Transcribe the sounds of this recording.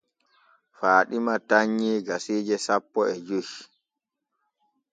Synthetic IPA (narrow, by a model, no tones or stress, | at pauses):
faːɗimataɲːiːɡasiːd͡ʒɛsapːɔɛd͡ʒuʃ